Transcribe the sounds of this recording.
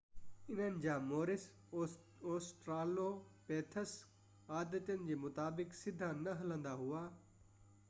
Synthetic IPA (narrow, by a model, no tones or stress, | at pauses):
ɪnənɪ̆d͡ʑaːmoːɾɪs | oːsʈɾaːloːpeːt̪ʰəs | aːd̪ət̪ənɪ̆d͡ʑeːmʊt̪aːbɪksɪd̪ʱanɐɦɐlə̃nd̪aɦʊaː